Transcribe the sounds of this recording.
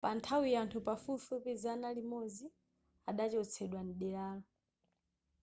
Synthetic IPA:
pantʰawijantʰupafufupɛzanalimod͡zi | aɗat͡ʃɔt͡sʰɛɗwaniɗɛɾaːlɔ

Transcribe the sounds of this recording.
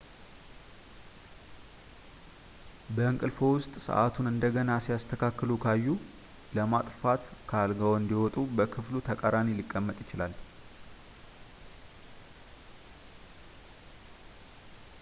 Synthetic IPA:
bəɨŋkʼɨlfo̞wʊst̪ʼsə̰ʔat̪ʰunɨnd̪əɡənasijast̪ʰəkʰakːəlukʰajːu | ləmat̪ʼfat̪kʰalɡawɨnd̪iwɔt̪ʼubəkʰɨflut̪ʰəkʼaɾanilikʼːəmːət̪ʼjɪt͡ʃɪlal

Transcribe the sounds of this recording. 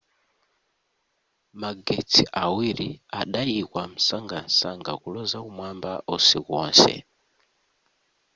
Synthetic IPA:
maɡet͡sʰiʔawiɾiaɗaikwam̩saŋɡansaŋɡa̰kulɔzakumwambaʔɔsikɔːnsɛ̰

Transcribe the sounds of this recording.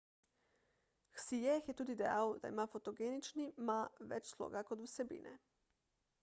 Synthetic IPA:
xsijɛxjɛt̪uːd̪id̪ɛja̰ːwd̪a̰imaːfot̪oɡeːnit͡ʃnimaʋɛ̰t͡ʃslo̰ːɡakot̪uwsɛbḭːnʔɛ̰

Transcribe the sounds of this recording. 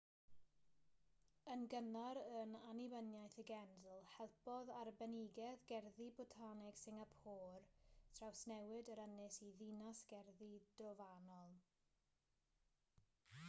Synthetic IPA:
ənɡənaɾənanivənjajθəɡɛndlˠhɛlˠpɔðarbɛnɪɡɛðɡɛrðibɔtʰanɪɡ̥sɪŋapʰoːrtʰrawsnɛwɪdəɾənɪsiðinasɡ̥ɛrðid̥ɔvanɔlˠ

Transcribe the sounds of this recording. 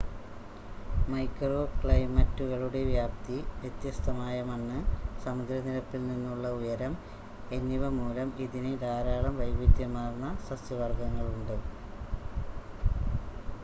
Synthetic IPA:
mɐjkroːkɭɐjmɐtːuɣɐɭuɽe̞ʋjaːp̚t̪iʋjet̪jɐst̪ʰɐmaːjɐmɐnːɨsɐmud̪ɾɐnilɐpːilninːuɭːɐujɐɾɐm | e̞nːiʋɐmuːɾɐmiðinɨɾaːɾaːɭɐmʋɐjbid̪jɐmːaːrnːɐsɐsjɐʋɐrɡɐŋːɐɭuɳɖɨ

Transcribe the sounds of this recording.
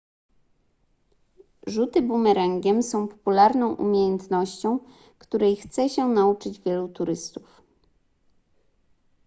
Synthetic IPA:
ʐut̪ɘbumɛɾaŋɡʲɛmsɔ̃w̃pɔ̥pulaɾnɔ̃w̃ʔṵmʲjejɛnt̪nɔɕt͡ɕɔ̃w̃ | kt̪uɾɛjxt̪sɛɕɛnaut͡ʂɘd͡ʑvʲjɛlut̪uɾɘst̪u̥f

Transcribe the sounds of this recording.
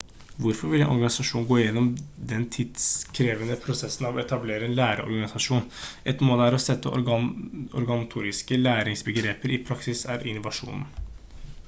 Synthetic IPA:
ʋʊɾfɔɾʋɪlɛ̰nʔɔ̰ɾɡɑnɪsɑʂuːn̩ɡoːjɛnːɔmd̪ɛnt̪ʰɪd̪skʰɾeːʋənəpʰɾʊsɛsːnɑʋɛt̪ɑbleːɾəɛnlæːɾə̰ɔ̰ɾɡɑnɪsɑʂuːnʔɛt̪moːlæɾɔsɛt̪ʰːə | ɔ̰ɾɡɑnɑt̪ʰuːɾɪskəlæːɾɪŋsbəɡɾeːpəɾɪpʰɾɑksɪsæɾɪnːʊʋɑʂṵːnn̩

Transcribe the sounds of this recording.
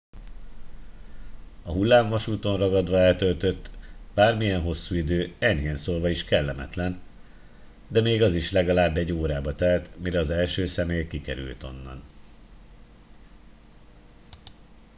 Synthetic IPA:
ɒɦulːaːɱvɒʃuːt̪o̞nrɒɡɒd̪ʋɒɛlt̪ølt̪øt̪ːb̥aːrmijɛnɦo̞sːuid̪øːɛɲɦeːnsoːlʋɒiʃkɛlːɛmɛ̰t̪lɛn | d̪ɛmeːɡɒziʃlɛɡɒlaːbːɛɟːoːɾaːbɒt̪ɛlt̪miɾɛɒzɛlʃøːsɛmeːjkikɛ̰ɾy̰lt̪o̞̰nːɒ̰n

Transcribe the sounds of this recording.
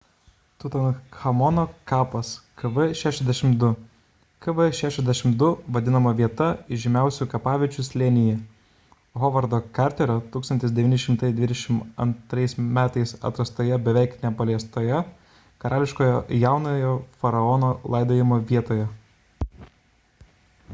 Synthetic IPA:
t̪ʊt̪ɐnxɐmɔnoːkɑːpɐskɐʋɐʃʲæːʃʲɛzʲd̪ʲɛʃʲɪmd̪ʊ | kɐʋɨʃʲæːʃʲɛzd̪ʲæʃʲɪmd̪ʊʋɐd̪ʲɪnɐmɐʋʲiɛt̪ɐɪʒʲɪmʲæˑʊsʲukɐpɑːʋʲɪt͡ʃʲʊslʲenʲɪjɛ | ɦɔʋɐɾd̪oːkɑɾʲt̪ʲɛɾʲoːt̪uːkst̪ɐnt̪ʲɪsd̪ʲɛʋʲiːnʲɪʃʲɪmt̪ɐɪd̪ʲʋʲɪd̪ʲɛʃʲɪmɐ̰nt̪ɾɐɪsmʲæːt̪ɐɪsɐ̰t̪ɾɐst̪oːjɛbʲɛʋʲæˑɪknʲɛpɐlʲɛst̪oːjɛ | kɐɾɑːlʲɪʃkoːjojæˑʊnojoːfɐɾɐɔnoːlˠɐɪd̪oːjɪmoːʋʲiɛt̪oːjɛ

